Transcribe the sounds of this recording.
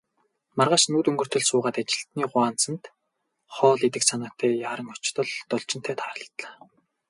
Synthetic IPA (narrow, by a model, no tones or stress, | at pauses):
marʁaːʃnuːt̪ɵŋɡɵ̆r̥t̪ɵ̆ɮsʊːʁaːt̪at͡ɕɪ̆ɬt̪niːɢʊaːn̥t͡sə̆nt̪ | χɔːɮit̪ɘ̆ksanaːt̪ʰæːjaːɾə̆ŋʊt͡ɕt̪ɞ̆ɮt̪ɔɮt͡ɕɪ̆n̥t̪ʰæːt̪ʰaːrə̆ɮt̪ɮḁː